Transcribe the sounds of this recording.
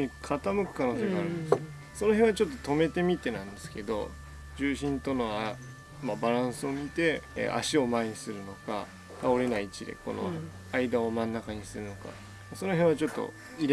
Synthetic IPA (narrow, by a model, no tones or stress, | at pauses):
ɲ̟ikʰat̪amɯ̟kɯ̟̥kano̞ːseɡaɾɯ̟nd̪esɨ | so̞no̞ɦẽɰ̃βat͡ɕo̞t̪ːot̪o̞me̞t̪e̞mʲit̪e̞nãnd̪e̞̥sɨ̥ke̞d̪o̞̰ | d͡ʑɨːɕĩnt̪o̞no̞a | mabaɾãɰ̃sɨo̞mʲit̪e̞̰ʔa̰ɕio̞maɲ̟isɨɾɯ̟no̞ka | k̪ao̞ɾe̞nait͡ɕid̪e̞̰ko̞̰no̞̰ | aid̪ao̞mãnːakaɲ̟isɨɾɯ̟no̞ka̰ | maso̞no̞ɦẽɰ̃βat͡ɕo̞t̪ːo̞̰ | iɾ